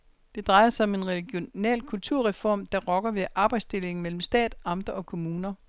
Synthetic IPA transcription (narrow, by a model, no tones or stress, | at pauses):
d̥e̝d̥ʁɑ̈ɪɐsɑɒ̽me̝nʁɛlɡ̥jo̝nɛ̰ːlkʰult͡sʰuɐ̰ʁɛfɒ̰ːmd̥ɑ̈ʁɒɡ̥ɐʋe̝ʔɑ̈ːb̥ɑ̈ɪd̥sd̥e̝le̝ŋ̩mel̰m̩sd̥ɛ̰ːd̥ɑ̈md̥ɐɒ̽kʰo̝muːnɐ